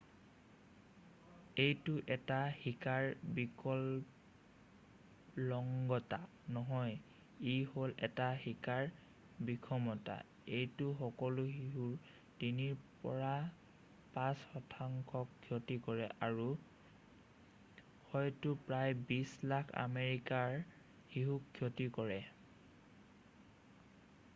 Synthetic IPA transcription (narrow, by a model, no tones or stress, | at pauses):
ejtʊʔɛtahikaɹbikʰɔl | lɔŋɡɔta | nɔɦɔj | iɦolʔɛtahikaɹ | bikʰɔmɔta̰ | ejtʊxɔkɔluɦiɦuɹ | diniɹpɔ̰ɹa | pãsxɔtʰaŋkʰɔkɡʰjɔtikɔɹɛʔaɹu | hɔjtʊpɹajbislakʰa̰meɹikaɹ | hiɦukʰːjɔtikɔɹɛ